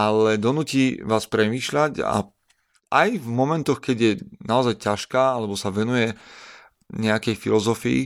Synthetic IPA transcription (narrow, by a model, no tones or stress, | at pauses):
alɛd̪ɔnuːciːʋaːspɾɛmiːʃʎaca̰ | ʔajvmɔmɛnt̪ɔxkɛɟjɛnaɔzajcaʃkaːalɛbɔsaʋɛnujɛ | ɲɛakɛjfilɔzɔfiḭ